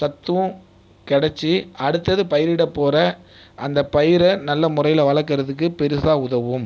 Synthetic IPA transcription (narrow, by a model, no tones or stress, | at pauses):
sɐt̪ːɯʋɯ̃ | kɛɽɐt͡ʃːiɐɽɯt̪ːɐðɯpɐjɪɾɪɽɐpːoːrɐ | ʔɐnd̪ɐpɐjɪɾɐnɐlːɐmʊrɐjɪlɐʋɐɭɐk̬ːɪɾɐðɯk̬ːɯpɛɾɪsaːʊðɐʋɯm